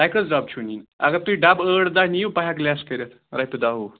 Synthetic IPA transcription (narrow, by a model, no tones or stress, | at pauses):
ajkɾət͡sd͡ʒab̚t͡ʃʰunina̰ɡat̪uiɖabəɽd̪aɦnijupaɦjaklʲaskəɾʲət̪ | ɾajt̪ud̪aɦu